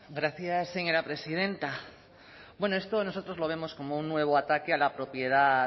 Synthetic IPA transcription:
ɡɾaθjasːeɲo̞ɾapɾe̞sið̞e̞nt̪a | bwe̞no̞e̞st̪ono̞so̞t̪ɾo̞zlo̞β̞e̞mo̞sko̞mounːwe̞β̞oat̪akealapɾo̞pje̞ða

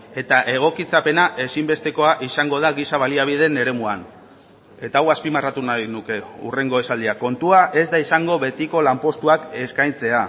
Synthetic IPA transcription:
e̞t̪aʔe̞ɣ̞o̞kit͡sape̞naʔe̞simbe̞st̪e̞ko̞aʔisaŋɡo̞ð̞aɣisaβaliaβ̞ið̞e̞ne̞ɾe̞muan | e̞t̪aːwaspimarat̪unajnuke̞ṵre̞ŋɡo̞e̞sald̪iako̞nt̪uaʔe̞zd̪aisaŋɡo̞βe̞t̪iko̞lampo̞st̪uake̞skajnt͡se̞a

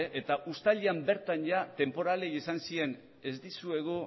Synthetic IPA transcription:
ʔe̞t̪aʔust̪aʎiambe̞ɾt̪anʝat̪e̞mpo̞ɾale̞jesansie̞n | e̞zd̪isue̞ɣu

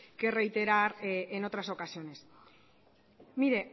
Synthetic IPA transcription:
ke̞re̞jt̪e̞ɾaɾeno̞t̪ɾaso̞kasio̞ne̞s | miɾe̞

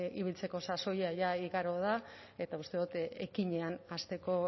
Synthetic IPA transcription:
iβilt͡se̞ko̞saso̞jaʝaiɣaɾo̞ð̞a | e̞t̪aust̪e̞ðut̪ekiɲe̞anast̪e̞ko̞

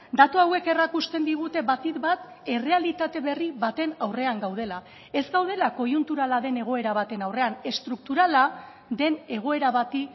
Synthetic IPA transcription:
d̪at̪uawe̞ke̞rakust̪end̪iɣ̞ut̪e̞βat̪it̪bat̪ | e̞re̞alit̪at̪e̞βe̞riβat̪e̞nawre̞aŋɡawð̞e̞la | e̞zɡawð̞e̞lako̞junt̪uɾalaðe̞ne̞ɣ̞o̞e̞ɾaβ̞at̪e̞nawre̞ane̞st̪ɾuk̚t̪uɾala | ðe̞ne̞ɣ̞o̞e̞ɾaβat̪i

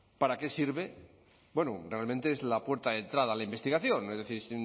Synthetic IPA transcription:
paɾake̞siɾβe̞ | bwe̞nurealmẽnt̪e̞ezlapwe̞ɾt̪aðe̞nt̪ɾaðalaimbe̞st̪iɣaθjo̞ne̞zðe̞θiɾsi

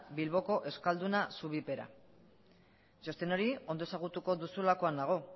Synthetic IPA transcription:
bilβo̞ko̞ʔe̞skald̪unasuβipe̞ɾa̰ | ʝo̞st̪e̞no̞ɾio̞nd̪o̞esaɣ̞ut̪uko̞ðusulako̞and̪aɣ̞o̞

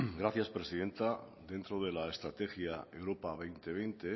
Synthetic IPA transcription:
ɡɾaθjaspɾe̞siðe̞nt̪a | d̪e̞nt̪ɾoð̞e̞laest̪ɾat̪e̞xjae̞wɾopaβ̞ejnt̪e̞βejnt̪e

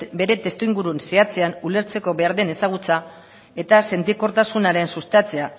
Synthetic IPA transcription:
be̞ɾe̞t̪e̞st̪uiŋɡuɾunse̞at͡se̞anule̞ɾt͡se̞ko̞βe̞aɾðe̞ne̞saɣ̞ut͡sa | e̞t̪ase̞nt̪iko̞ɾt̪asunaɾe̞nsust̪at͡se̞a

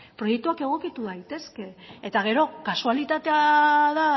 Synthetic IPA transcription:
pɾo̞je̞k̚t̪uake̞ɣ̞o̞kit̪uðajt̪e̞ske̞et̪aɣ̞e̞ɾo̞kasualit̪at̪e̞aða

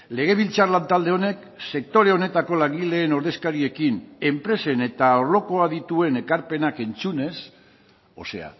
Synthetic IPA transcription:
le̞ɣ̞e̞β̞ilt͡sarlant̪ald̪e̞o̞ne̞k | se̞k̚t̪o̞ɾe̞o̞ne̞t̪ako̞laŋɡile̞ːno̞ɾðe̞skaɾie̞kine̞mpɾe̞se̞ne̞t̪aoɾlo̞ko̞aðit̪ue̞ne̞kaɾpe̞nake̞nt͡sune̞s | o̞̰se̞̰a̰

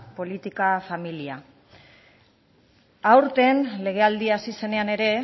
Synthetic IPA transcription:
po̞lit̪ikafamilia | awɾt̪e̞nle̞ɣ̞e̞ald̪iasise̞ne̞ane̞ɾe̞

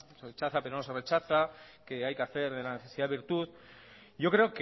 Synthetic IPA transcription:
seret͡ʃaθape̞ɾono̞se̞re̞t͡ʃaθake̞ajkeaθe̞ɾðelaneθesiðaiɾt̪uð | ɟ͡ʝo̞kɾe̞ok

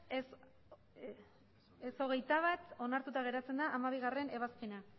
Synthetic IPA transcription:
s | eso̞ɣ̞e̞jt̪aβat̪o̞naɾt̪ut̪aɣ̞e̞ɾat͡se̞nd̪aʔːmaβiɣ̞are̞ne̞β̞aspena

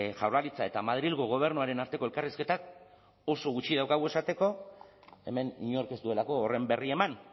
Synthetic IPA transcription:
ʝawɾlalit͡sae̞t̪amað̞ɾilɣoɣ̞o̞β̞e̞ɾnuaɾe̞naɾt̪e̞ko̞e̞lkariske̞t̪ak | o̞so̞ɣut͡ʃiðawkaɣ̞ue̞sat̪e̞ko̞ | e̞̰me̞nḭɲo̞ɾke̞zt̪ue̞lako̞ːre̞mbe̞rie̞man

